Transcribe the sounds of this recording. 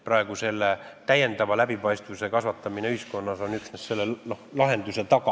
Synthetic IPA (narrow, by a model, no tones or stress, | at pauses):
prɑe̞ɡ̥use̞lːet̪æjːe̞nd̪ɑvɑlæbipɑjst̪vuse̞kɑsvɑt̪ːˑɑmineyhisko̞nːɑso̞nyksnesse̞lːenohlɑɦe̞nd̪use̞t̪ɑkɑ